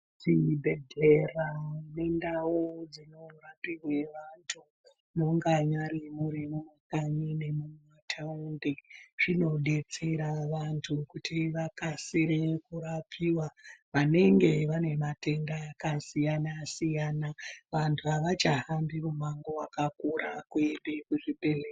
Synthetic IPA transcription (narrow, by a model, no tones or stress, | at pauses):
t͡ʃibʱe̞dʱe̞rane̞ndawud͡zino̞rapiwe̞ʋantʰu | no̞ŋɡaɲaɾimuɾimumakaɲine̞mumwatʰaundeʐ̥ino̞ɗe̞t͡se̞ɾaʋantʰukutʰiʋakasiɾekuɾapʰiwaʋane̞ŋɡe̞ʋane̞mate̞ndakasijanasijaːnaʋantʰuaʋat͡ʃaɦambimumaŋɡo̞wakakuɾakwembekuʐibelek